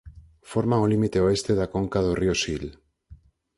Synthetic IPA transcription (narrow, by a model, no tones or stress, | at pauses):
foɾmaŋolimit̪eoest̪eðakoŋkað̞oriosil